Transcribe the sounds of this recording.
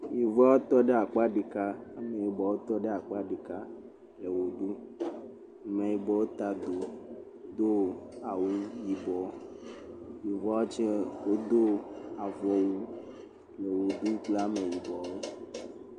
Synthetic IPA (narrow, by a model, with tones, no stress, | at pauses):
ji˨vɔ˦a˦wo˦t̪ɔ˦ɖe˦a˨k͡pa˦ɖi˨ka˦a˦mẽ˨ji˨bɔ˨wo˦t̪ɔ˦ɖe˦a˨k͡pa˦ɖi˨ka˦ | le˨wo˨ɖu˦˨˦ | mẽ˨ji˨bɔ˨wo˦t̪a˨d̪o˨ | d̪o˦a˨wu˦ji˨bɔ˨ | ji˨vɔ˦a˦o˦t͡ʃe˦wo˦d̪o˦a˨vɔ˨wu˦ | le˨wo˨ɖu˦k͡pla˦me˨ji˨bɔ˨wo˦